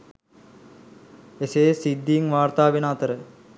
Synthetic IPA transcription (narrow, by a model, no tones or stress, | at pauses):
eseːsid̪ːiːŋʋaːrt̪aːʋenaːt̪əɾə